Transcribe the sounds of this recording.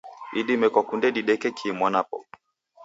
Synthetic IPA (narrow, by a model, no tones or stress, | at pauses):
iɗimɛkakundɛɗiɗɛkɛkʰiːmwanapɔ̰